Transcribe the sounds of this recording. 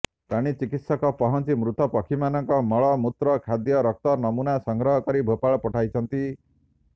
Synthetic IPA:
pɾaɽ̃it͡ʃikit̪sɔkɔpɔɦɔnt͡ʃimɾut̪ɔpɔkʰimanɔŋkɔmɔɭɔmut̪ɾɔkʰad̪jɔɾɔk̚t̪ɔnɔmunasɔŋɡɾɔɦɔkɔɾibʱopaɭɔpɔʈʰajt͡ʃʰɔnt̪i

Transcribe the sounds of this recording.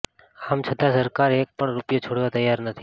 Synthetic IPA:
amt͡ʃʰəd̪asəɾkaɾek̚pəɳɾupjot͡ʃʰoɽʋat̪əjːaɾnət̪ʰi

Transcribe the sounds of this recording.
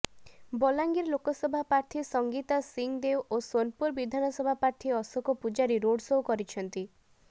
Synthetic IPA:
bɔlaŋɡiɾlokɔsɔbʱapɾaɾt̪ʰisɔŋɡit̪asiŋd̪ewʔosonpuɾbid̪ʱanɔsɔbʱapaɾt̪ʰiɔsɔkɔpud͡ʒaɾiɾoɽsoɦukɔɾit͡ʃʰɔnt̪i

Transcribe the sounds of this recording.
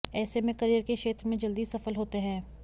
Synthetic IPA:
ɛːsemẽkɐɾijəɾkeʃeːt̪ɾəmẽd͡ʒɐld̪isɐfəlɦoːt̪eɦɛ̃ː

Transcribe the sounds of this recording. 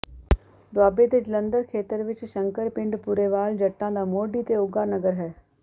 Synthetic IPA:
d̪waːbet̪ed͡ʒlə̃nd̪əɾkʰeːt̪əɾʋɪt͡ʃʃə̃ŋkəɾpɪ̃ɳɖpʊɾeːʋaːld͡ʒəʈːãːd̪aːmoːɖiːt̪eʊɡaːnəɡəɾɦɛː

